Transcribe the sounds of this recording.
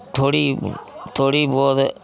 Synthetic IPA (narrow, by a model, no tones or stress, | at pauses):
t̪ʰoːɽiːt̪ʰoːɽiːbɔːd̪